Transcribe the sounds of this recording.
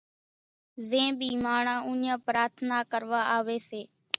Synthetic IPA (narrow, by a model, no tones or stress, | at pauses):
zẽːbiːmaːɳãːũːɲãːpɾaːt̪ʰnaːkəɾʋaːaːʋeːseː